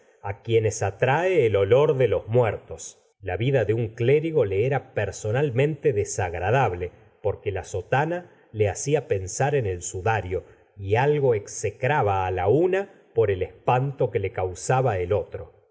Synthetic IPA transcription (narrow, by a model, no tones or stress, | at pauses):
akjenesat̪ɾaeːlo̞lo̞ɾðelo̞zmwɛɾt̪o̞s | laβiðaðeuŋkleɾiɣo̞le̞eɾapeɾso̞nalmẽnt̪eðesaɣɾaðaβle̞ | poɾkelaso̞t̪ana | le̞asiape̞nsaɾenelsuðaɾjo | ialɣo̞eksekɾaβaːlauna | po̞ɾe̞lespant̪o̞kelekawsaβaelo̞t̪ɾo̞